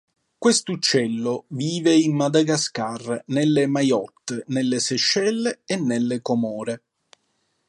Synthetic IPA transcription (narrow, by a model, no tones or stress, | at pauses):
kwest̪ut͡ʃːɛlːoviːveimːad̪aɡaskarnelːemajɔt̪ːnelːeseʃːɛlːeːnːelːekomɔːɾe